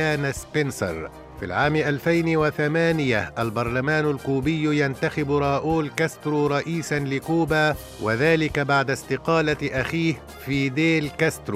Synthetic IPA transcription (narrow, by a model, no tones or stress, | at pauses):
aːnaspɪnsɑ̰ɾˤ | fḭlʕaːmɪʔalfajnwaθamaːnɪjaʔalbɑɾˤlamaːnalkuːbɪjːjant̪axɪbɾˤɑːʔuːlkast̪ɾuːɾˤɑʔiːsanlɪkuːbaː | waðaːlɪkabaʕd̪ast̪ɪqɑːlaʔaxiːh | fiːd̪eːlkast̪ɾuː